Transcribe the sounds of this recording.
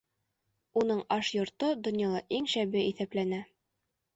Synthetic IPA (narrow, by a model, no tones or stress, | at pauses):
unɤɴɑʃjŏɾt̪ɤd̪ŏnjɑlˠɑʔiŋʃæbɘʔiθæplænæ